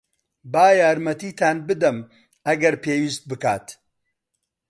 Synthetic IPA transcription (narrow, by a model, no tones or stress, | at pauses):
baːjaːɾmɐt̪iːt̪ʰaːnbɨd̪ɐm | ɐɡɐɾpʰeːwiːst̪̚bɨka̰ːt̪